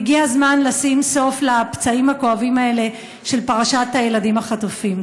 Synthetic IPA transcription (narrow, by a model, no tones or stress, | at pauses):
ɡiazmanlasimso̞flapt͡saimhako̞avimae̞le̞ | ʃe̞lpaʁaʃathaje̞ladimaχatufim